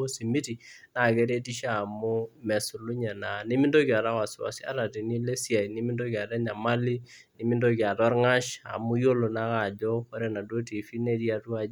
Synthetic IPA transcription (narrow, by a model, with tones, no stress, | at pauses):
o˦si˨mi˦ti˨na˨ke˦ɾe˦ti˦ʃa˦a˨mu˦mɛ˨su˨lu˦ɲɛ˨na˨ni˦mi˦ndo˦ki˨a˨ɾa˦wa˨swa̰˨si˦a̰˦ɾa˨ti˨ni˦le˦si˦a˨jni˦mi˦ndo˦ki˨a˨ɾa˦ɲa˨ma˦li˦ | ni˦mi˦ndo˦ki˨a˨tɔ˦ɾŋa˦ʃa̰˨mu˦jo˦lo˨na˦ka˦˨d͡ʒo˦ko˦ɾe˦na˨do˦ti˨fi˦ne˦di˦a˨tu˦a˦